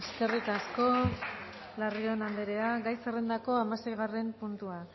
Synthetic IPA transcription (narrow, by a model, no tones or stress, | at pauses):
eske̞rit̪asko̞ | lario̞nand̪eɾe̞aɡajserend̪ako̞amasejɣ̞are̞mpunt̪ua